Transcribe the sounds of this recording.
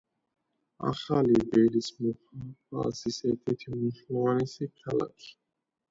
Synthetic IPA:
a̰χalibɛɾismuχa̰sisɛɾt̪ʰɛɾt̪ʰimuʃlvanisikʰala̰kʰi̥

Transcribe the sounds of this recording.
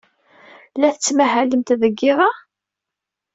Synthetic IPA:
læθət͡sːmæɦæləmt̪ðəɡːɪðˤɑ

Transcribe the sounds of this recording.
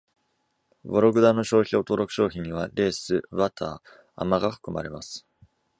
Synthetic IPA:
boɾo̞ɡɯ̟d̪ano̞ɕo̞ːçio̞t̪o̞ɾo̞kɯ̟ɕo̞ːçĩɲ̟ːiβ̞aɾe̞ːsɨβat̪ʰa̰ː | a̰maɡaɸɯ̟̥kɯ̟ma̰ɾe̞masɨ̥

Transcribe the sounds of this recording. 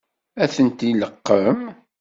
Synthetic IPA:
æθənt̪iləqːəm

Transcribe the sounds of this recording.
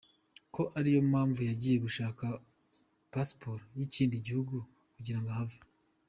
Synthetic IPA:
ko̞ʔaɾijo̞umaːɱvujaɟiːje̞ɡuʃaːka | paspoɾjiciːndiɟihuɡu | kuɟiɾaŋɡahava

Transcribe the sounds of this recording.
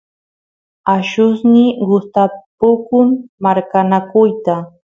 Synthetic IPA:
aʃʊsnɪɢʊst̪apʊkʊmːaɾkanakʊjt̪a

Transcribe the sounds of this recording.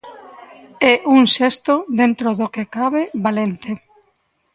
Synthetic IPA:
ɛʔuŋʃɛst̪od̪ent̪ɾoðokekaβeβalent̪e

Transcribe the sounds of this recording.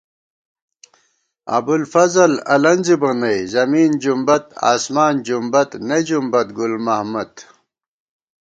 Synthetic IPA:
ɐ̰bulfɐzɐlɐlɐnzibɐnɐjzɐmiːnd͡ʑumbɐt̪a̰ːsmaːnd͡ʑumbɐt̪ned͡ʑumbɐt̪̚ɡulmɐhmɐt̪

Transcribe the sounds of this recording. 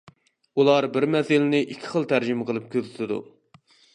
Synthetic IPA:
ulˠɑɾbɪɾmɛsɪlɪnɪʔikʲʰːɪ̥χəlˠt̪ʰæɾd͡ʒimqəlˠɨp̚kʲʰøzɪt̪ʰɪd̪ṵ

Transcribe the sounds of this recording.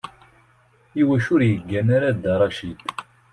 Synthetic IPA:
iwæʃʊɾjəɡːænaɾad̪ɑɾˤɑʃid̪

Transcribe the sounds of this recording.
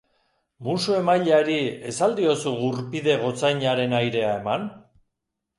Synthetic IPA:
musue̞majʎaɾie̞sald̪io̞suɣuɾpiðe̞ɣ̞o̞t͡sajɲaɾe̞najɾe̞ae̞man

